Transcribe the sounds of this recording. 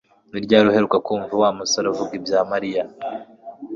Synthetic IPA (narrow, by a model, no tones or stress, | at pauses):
niɾɟaːɾuhe̞ɾukakuːɱvuwamusaɾavuɡibjaːmaɾija